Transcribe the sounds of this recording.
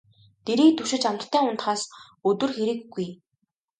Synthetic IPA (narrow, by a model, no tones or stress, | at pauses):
t̪eɾiːk̚t̪ʰɵʃɪ̆t͡ɕam̆t̪ʰːæːʊnt̪χaːs | ɵt̪ɵ̆rxeɾɘ̆kːuj